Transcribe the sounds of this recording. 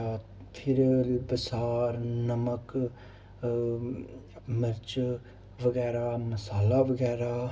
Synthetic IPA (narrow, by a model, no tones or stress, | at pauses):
a | t̪ʰɪɾbəsaːɾnəmək | məɾt͡ʃ | ʋəɡɛːɾaːməsaːlaʋəɡɛːɾaː